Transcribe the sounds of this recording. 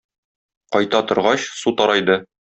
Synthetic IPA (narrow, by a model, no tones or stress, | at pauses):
qɒjt̪ɑt̪ŏɾʁɑɕsut̪ɒɾɑjd̪ɤ